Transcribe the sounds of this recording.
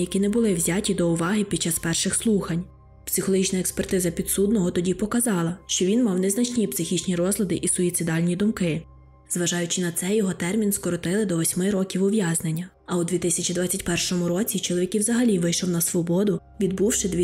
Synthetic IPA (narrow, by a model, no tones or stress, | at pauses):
jɐkʲinɛbʊlˠɪwzʲatʲid̪ɔʊʋɑɦɪpʲid̥̚t͡ʃːɑspɛrʃɪxslˠuxɐnʲ | psɪxɔlˠɔɦit͡ʃnɐekspɛrt̪ɪzɐpʲid̪sud̪nɔɦɔt̪ɔdʲipɔkɐzɑlˠɐʃt͡ʃɔʋʲinmɑwnɛznɐt͡ʃnʲipsɪxʲit͡ʃnʲiɾɔzlʲˠɐd̪ɪʔisʊit̪sɪd̪ɑlʲnʲid̪ʊmkɪ | zʋɐʒɑjʊt͡ʃɪnɐt̪sɛjɔɦɔt̪ɛrmʲinskɔɾɔt̪ɪlˠɪd̪ɔʋɔsʲmɪɾɔkʲiwʊʋjɑznenʲːɐ | ɐwd̪ʲʋʲit̪ɪsʲɐt͡ʃid̪ʋɑtʲt͡sʲːɐtʲpɛrʃɔmʊɾɔt͡sʲit͡ʃɔlˠɔʋʲikʲiwzɐɦɐlʲiʋɪjʃɔwnɐsʋɔbɔd̪ʊʋʲid̪̚buwʃɪd̪ʋʲ